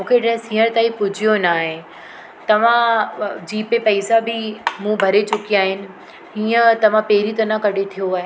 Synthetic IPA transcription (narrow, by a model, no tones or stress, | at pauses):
mũːkʰeʈɛsĩːəɾ̃t̪aːĩpʊd͡ʑʱijonaːɦe | t̪ɐʋ̤ãd͡ʑiːpepɐisabʱɪmũbʱɐɾet͡ɕʊkiaːɦɪnɪ̆ | ɦiːət̪ɐʋ̤ãpeːɾit̪ɐnãkɐɽʱet̪ʰijoaːɦe